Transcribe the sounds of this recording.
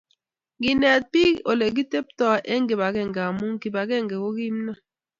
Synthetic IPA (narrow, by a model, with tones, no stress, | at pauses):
ɡi˨nɛ˨t̚pi˦o˨le˨ɡ̬i˦te˦p̚tɔ˦ʔɛ˦ŋ˦ɡe˨ba˨ɡɛ˦˨ŋ˨ɡa˨mu˦ŋ˦ki˨ba˨ɡɛ˦˨ŋɡɛ˨ko˦ɡi˦m˦na˦